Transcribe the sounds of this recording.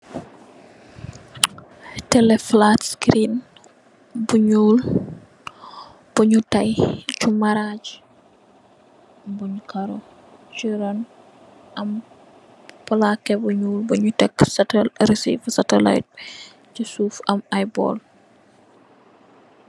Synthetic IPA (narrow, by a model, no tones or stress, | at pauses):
tɛlɛflatskɾin | buɲul | b̥uɲutajt͡ʃumaɾad͡ʒ | buɲukaɾɔ | t͡ʃiɾɔn | ʔɐm | pɔlakːɛbuɲuːlbuɲutɛkːsatɛɾisḭfsatɛla̰jt̚ | t͡ʃisuːfɐmajbɔ̰l